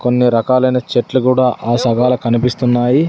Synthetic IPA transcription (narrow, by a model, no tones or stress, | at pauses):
ko̞nːiɾɐkaːlɐjnɐt͡ʃeʈlukuːɽaːʔaːsɐɡaːlukɐnipist̪unːaːji